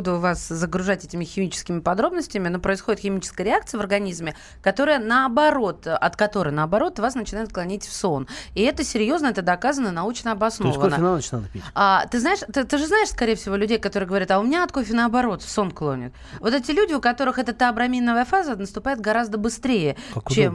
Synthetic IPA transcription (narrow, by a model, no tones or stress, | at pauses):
d̪ʊvaszəɡɾʊʐatʲetʲɪmʲɪxʲɪmʲit͡ɕɪ̥skʲɪmʲɪpɐd̪ɾo̞bnəsʲtʲɪmʲɪnopɾəɪsxodɪt̪xʲɪmʲit͡ɕɪ̥skəjəɾʲɪak̚t̪sɨjəvərɡɐnʲizmʲɪ | kɐt̪o̞ɾəjənəɐbɐɾo̞t̪ʔɐt̪kɐt̪o̞ɾɨjnəɐbɐɾo̞t̪vasnət͡ɕɪnajʊt̪klˠɐnʲitʲfso̞nɪɛt̪əsʲɪɾʲjo̞znəɛt̪əd̪ɐkazənːənɐut͡ɕnəɐbɐsnvəoənat͡ʃnad̪əiat̪ɨznaɪʂt̪ɨt̪ɨʐɨznaɪʂskɐɾʲejɪfsʲɪvolʲʉdʲejkɐt̪o̞ɾɨjəɡəvɐɾʲat̪ɐʊmʲɪnʲaɐt̪kofʲɪnəɐbɐɾo̞t̪fso̞nklˠo̞̰nʲɪ̰t̪̚ | vo̞t̪ɛtʲɪlʲudʲɪʊkɐt̪o̞ɾɨxɛt̪ət̪əɐbɾɐmʲinːəvəjəfazənəst̪ʊpajɪt̪̚ɡɐɾazd̪əbɨst̪ɾʲejət͡ɕem